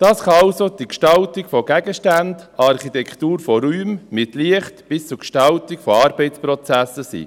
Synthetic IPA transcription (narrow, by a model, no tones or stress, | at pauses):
d̥ɑːsχɑɑʊsod̥ikʃtɑltiɡfɔɡ̥æɡəʃtændɑɾχitɛkʰt̪uːɾfɔɾyːmmɪtliəχtb̥ɪst͡sukʃtɑltɪkfɔɑːɾbɛɪt͡spɾɔt͡sæsəsḭː